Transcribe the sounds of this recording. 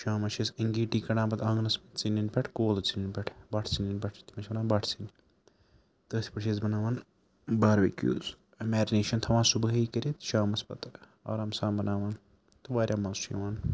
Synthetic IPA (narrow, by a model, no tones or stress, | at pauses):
ʃaːmɐt͡ʃʰisiŋɡiːʈiːkɐɽãːbɐt̪ɐŋɡnɐspɐt̪t͡sininpʲɐʈʰkoːlɐt͡sininʲpʲɛʈʰbɐʈʰt͡sinʲinʲpʲɐʈʰt̪imɐt͡ʃʰbɐnaːnbɐʈʰt͡sin | t̪əːsʲi̥pɐʈʰt͡ʃʰizbɐnaːʋaːn | baːɾʋɐkʲjṵːz | imaːd͡ʒineːʃɐnt̪ʰɐʋãːnsubɐɦiːkɐɾʲit̪ʃaːmɐspɐt̪ | a̰ːɾaːmsaːmbɐnaːʋaːn | t̪ɨʋaːɾʲjaːmɐsʃʰḭʋaːn